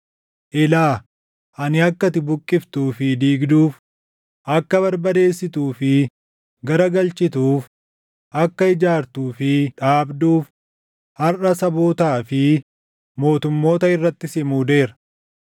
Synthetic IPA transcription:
ʔɪlaː | ʔɐnɪɐkːɐt̪ɪbʊkʼːɪft̪uːfɪd̪iːɡd̪uːf | ʔɐkːɐβɐɾbɐd̪e̞ːsːɪt̪uːfɪ | ɡɐɾɐɡɐlt͡ʃːɪt̪uːf | ʔɐkːɐɪd͡ʒaːɾt̪uːfɪᶑaːbd̪uːf | hɐrʔɐsɐboːt̪aːfɪ | mo̞ːt̪ʊmːo̞ːt̪ɐɪrːɐt̪ːɪsɪmuːd̪e̞ːɾɐ

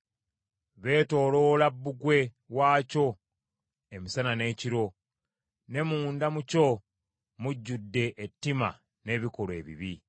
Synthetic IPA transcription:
βe̞ːto̞ːlo̞ːlabːuɡwe̞ | waːco̞ | emisanane̞ːciɾo̞ | ne̞muːndamuco̞ | muɟːudːe̞ʔetːima̰ | ne̞ːβiko̞le̞ːβḭβi

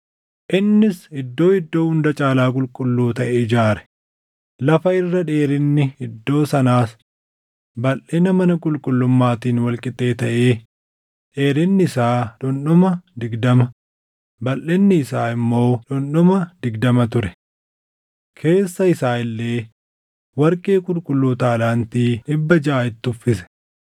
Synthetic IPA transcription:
ʔɪnːɪsɪd̪ːo̞ːɪd̪ːo̞ːhʊnd̪ɐt͡ʃʼaːlaːkʼʊlkʼʊlːuːt̪ɐʔed͡ʒaːɾɛ̥ | lɐfɐɪrːɐᶑe̞ːɾɪnːɪɪd̪ːo̞ːsɐnaːs | bɐlʔɛnɐmɐnɐkʼʊlkʼʊlːʊmːaːt̪iːnwɐlkʼɪt̪ʼe̞ːt̪ɐʔe̞ː | ᶑe̞ːɾɪnːɪɪsaːᶑʊnɗʊmɐd̪ɪɡd̪ɐmɐ | bɐlɛnːɪɪsaːɪmːo̞ːᶑʊnɗʊmɐd̪ɪɡd̪ɐmɐt̪ʊɾɛ | kʰe̞ːsːɐɪsaːɪlːe̞ː | wɐɾkʼeːkʼʊlkʼʊlːuːt̪aːlaːnt̪iːᶑɪbːɐd͡ʒɐʔaːɪt̪ːɪʊfːɪsɛ̥

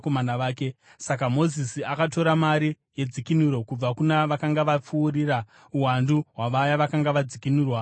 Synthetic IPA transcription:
komanaʋaːke̞ | sakamo̞zisiakato̞ɾamaɾi | je̞d͡zikinuɾo̞kub͡vakunaʋakaŋɡaʋap͡fuːrira | uwanduɦwaʋajaʋakaŋɡaʋad͡zikinuːrwa

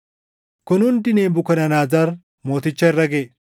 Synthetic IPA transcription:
kʊnʊnd̪ɪneːbʊkɐnɐnaːzɐɾ | mo̞ːt̪ɪt͡ʃːɐɪrːɐɡeː

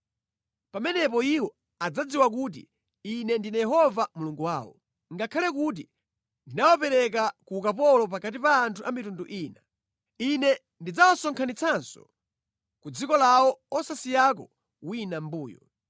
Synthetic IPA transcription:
pamɛnɛpɔiwɔ | ad͡zad͡ziwak̬uːt̬ḭ | inɛndinajɛɦɔvamuluŋɡuwaːwɔ̰ | ŋɡakʰalɛk̬ut̬i | ndinawapɛɾɛk̬akuːkapɔlɔp̬akat̬ipaːntʰuʔamitunduʔiːna | inɛ | ndid͡zawasɔŋkʰanit͡sʰansɔ̰ | kud͡zikɔlawɔɔsasijak̬ɔ | winambuːjɔ̰

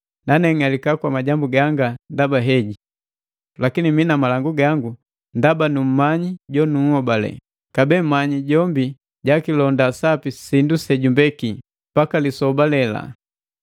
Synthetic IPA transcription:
nanɛŋalikakwamaɟambuɡaŋɡandabaɦɛɟi | lakiniminamalaŋɡuɡaŋɡu | ndabanum̩maɲiɟɔnuhɔbalɛ̰ | kabɛmmːaɲiɟɔmbi | ɟakilɔndasapisindusɛɟumbɛki | pakalisɔbalɛla̰

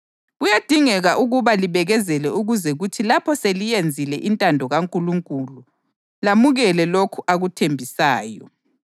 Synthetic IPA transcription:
ɣujad̥ʱiŋɛɣaʔuɣuβaliβɛɣɛzɛlɛuɣuzɛɣutʰilapʰɔselijend͡zʱilɛʔintʼandʱɔɣaŋkʼuluŋkʼulu | lamuɣɛlɛlokʰuʔaɣutʰembʱisaːjɔ

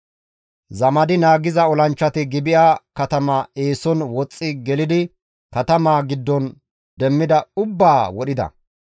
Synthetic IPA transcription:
zɐmɐd̪ɪnaːɡɪzɐɔlɐnt͡ʃːɐt̪ɪɡɪbɪʔaːkɐt̪ɐmaːeːsɔnwɔt͡sʼːɪɡɛlɪd̪ɪ | kɐt̪ɐmaːɡɪd̪ːɔn | d̪ɛmːɪd̪ɐʊbːaːwɔɗɪd̪ɐ̰

